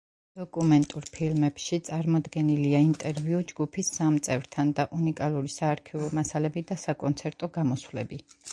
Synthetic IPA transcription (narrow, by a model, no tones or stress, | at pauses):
d̪̥ɔkʼumɛnt̪ʼuɾpʰilmɛpʃit̪sʼaɾmɔd̪ɡɛniliaint̪ʼɛɾviud͡ʒɡupʰisːamt̪sʼɛvɾt̪ʰand̪aʔunikʼalˠuɾisaːɾkʰivɔmasalɛbid̪asakʼɔnt̪sʰɛɾt̪ʼɔɡamɔswlɛbi